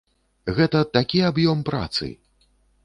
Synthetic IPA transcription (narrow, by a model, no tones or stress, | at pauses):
ɣɛt̪ɐt̪akʲiabjɔmpɾa̰t̪sɨ̰